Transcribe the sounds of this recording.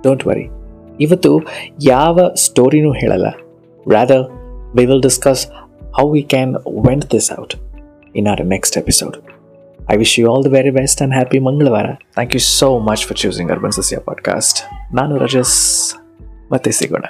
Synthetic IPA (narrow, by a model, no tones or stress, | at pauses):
ɖ̥oːɳʈʋɐ̰ɾḭiʋɐt̪ːujaːʋɐsʈoːɾinuːɦeːɭʔɐ̰lːɐ̰ | ɾæːd̪əɾʋiːʋɪlɖɪskɐshawʋiːkæ̃nʋẽɳʈd̪ɪsa̰wʈ | ɪ̃naʊɐneksʈepi̥so̰ːɖ | a̰jʋiʃjuɔːld̪ɐʋeɾibesʈæ̃ɳɖɦæːpimɐŋɡəɭɐʋaːɾɐ̰t̪ʰæ̃ːŋkjusoːmɐt͡ʃfɔɾt͡ʃuːsĩŋɡɐ̰ɾbɐ̃nsɐsja̰pɔ̰ːɖka̰ːsʈnaːnuɾɐ̰d͡ʒɐs | mɐt̪ːesḭɡo̰ːɳa̰